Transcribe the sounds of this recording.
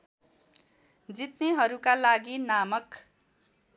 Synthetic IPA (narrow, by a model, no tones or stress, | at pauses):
d͡zit̪neɦʌɾukalaɡinamʌk